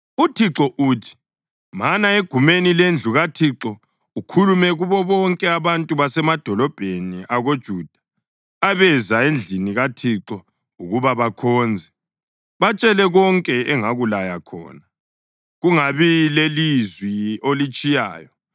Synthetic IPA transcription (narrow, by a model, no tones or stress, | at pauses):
utʰiǁɔʔuːtʰi̥ | manaeɡ̥ʱumenilend͡ɮʱuɣatʰiǁɔ | ukʰulumɛɣuβɔβɔŋkʼɛaβantʼuβasɛmad̥ʱɔlɔb̥ʱeniʔaɣod̥ʒ̥ʱud̥ʱḁ | aβɛzaend͡ɮʱiniɣatʰiǁɔ | uɣuβaβakʰɔːnd͡zʱɛ | βat͡ʃʼɛlɛɣɔŋkʼɛɛŋaɣulajakʰɔ̰ːna | ɣuŋaβilelizwiolit͡ʃʼija̰ːjɔ